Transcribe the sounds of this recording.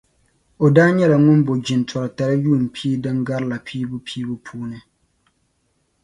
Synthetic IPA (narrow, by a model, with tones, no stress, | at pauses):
o˨daː˦ɲɛ˦la˨ŋʊ˦nbo˨d͡ʒɪ˨n˨tʰɔ˨ɾa˨ta˨ɾa˦juː˦˨m̩˨pʰiː˦dɨ˦ŋɡa˦ɾla˨pʰiː˦bʊ˦pʰiː˦bʊ˦pʰuː˦nɨ˦